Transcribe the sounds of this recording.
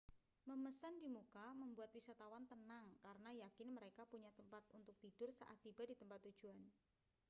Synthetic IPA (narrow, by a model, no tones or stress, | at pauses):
məməsandimukaməmbuat̪̚wisat̪awant̪ənaŋkaɾənajakɪnməɾekapuɲat̪əmpat̪unt̪ʊk̚t̪idʊrsa̰ʔa̰t̪̚ːibadit̪əmpat̪ːu̥d͡ʒuan